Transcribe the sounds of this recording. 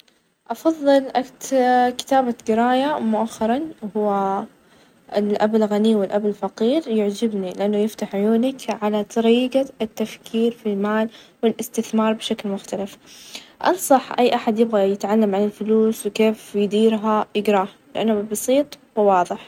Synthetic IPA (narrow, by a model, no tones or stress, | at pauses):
ʔɑfɑðˤːɨlʔakt̪kɪ̥t̪aːbaɡɪɾɑːjamʊʔaxːɑɾˤɑnhʊwːa | ɪlʔabɪlɣaniwɪlʔabɪlfɑqiːɾjʊʕd͡ʒɪbnilɪʔanːʊjɪft̪aħʕʊjuːnakʕalat̪ˤɑɾiːɡaɪt̪ːafkʰiːɾfilmaːl | wɪlʔɪst̪ɪθmɑːɾˤbɪʃaklmʊxt̪alɪfʔɑ̰nsˤɑħʔajːʔaħad̪jɪbɣajɪt̪ʕalːamʕanɪlfʊluːswkeːfjɪd̪iːɾɦajʔɪɡɾɑːh | lɪʔanːʊbɪbɑsˤiːt̪ˤwɪwɑːðˤɨħ